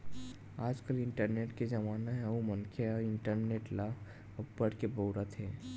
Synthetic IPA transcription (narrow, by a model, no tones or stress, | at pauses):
aːd͡ʒkəlɪ̃ɳʈəɾneːʈkezɐmaːnaɦɛ̃umənkʰeɪɳʈəɾneːʈla | ʊbəɽkeboːɾat̪ɦɛː